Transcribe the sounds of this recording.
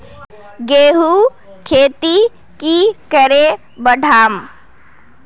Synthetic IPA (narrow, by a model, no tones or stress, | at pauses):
ɡeːɦu | kʰeːt̪i | kikəɾe | bəɖʱaːm